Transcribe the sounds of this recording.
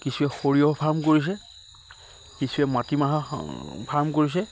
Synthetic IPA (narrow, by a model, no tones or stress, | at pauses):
kisuɛxoɹijɔpʰaɹmkoɹis̬ɛ | kisuɛmatimaɦapʰaɹmkoɹis̬ɛ